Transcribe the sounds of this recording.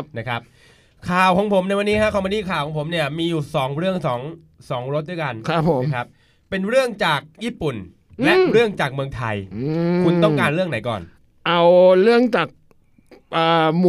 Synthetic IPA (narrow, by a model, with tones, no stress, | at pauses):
na˦˥kʰa˦˥p̚ | kʰaː˨˩wkʰɔː˩˦ŋpʰo˩˦mna˧jwa˧nːiː˦˥kʰa˦˥kʰɔː˧˩˦ma˧nt̪iː˥˩kʰaː˨˩wʰɔː˩˦pʰo˩˦mni˥˩ɐmiː˧juː˨˩sɔː˩˦ŋɾɯ˥˩əŋsɔː˩˦ŋ | sɔː˩˦ŋɾo˦˥t̪̚d̪u˥˩jka˧nʰa˦pʰːo˩˦˥kʰa˦˥p̚ː | e˧nɾɯ˥˩əŋt͡ɕaː˨˩k̚jiː˥˩pu˨˩n | lɛ˦˥ɾɯ˥˩əŋt͡ɕaː˨˩k̚mɯ˧ə˧ŋt̪ʰa˧jkʰu˧nt̪ɔ˥˩ŋkaː˧nɾɯ˥˩əŋna˩˦jkɔ̰ː˨˩n | ʔa˧wɾɯ˥˩əŋt͡ɕaː˨˩k̚ | ʔːm˧